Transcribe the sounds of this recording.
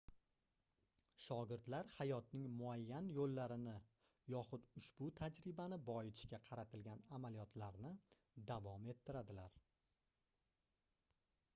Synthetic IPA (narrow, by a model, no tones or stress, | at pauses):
ʃɒɡʲɪɾd̪laɾhajɒt̪nɪŋmʊajːanjolːaɾɪnɪ | jɒχʊd̪ʊʃb̥ʊt̪ʰad͡ʒɾɪbanɪbɒɪt̪ʰɪ̥ʃkʲaqʰɑɾat̪ʰɪlɡʲanamalijɒt̪ʰlaɾnɪ | d̪avɒme̞t̪ʰːɪɾad̪ɪlaɾ